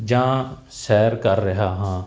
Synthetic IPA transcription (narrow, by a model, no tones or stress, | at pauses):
d͡ʒãː | sɛːɾkəɾːəɦaːɦãː